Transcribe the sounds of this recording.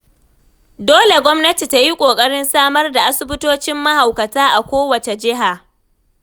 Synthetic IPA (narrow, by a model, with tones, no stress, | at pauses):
doː˦le˨ɡʷɔ˦mnɐ˦ti˨ta˦ji˦kʷʼoː˨kʼɐ˦ɽɪ˦nsaː˦mɐ˦rda˨ʔa˦sʊ˦bʊ˦toː˦t͡ʃɪ˦mːɐ˦ha˨wkɐ˨taː˦ʔa˨kʷoː˦wɐ˨t͡ʃe˨d͡ʒɪ˦ɦa˨